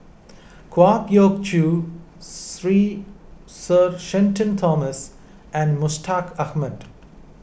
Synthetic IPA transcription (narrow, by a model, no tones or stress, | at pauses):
kwaːkjoːɡ̚t͡ʃu | ɾiː | səɾʃẽnʈʰə̃nt̪ʰɔːməs | ɛ̃nɖmʊsʈʰaːkɐhməɖ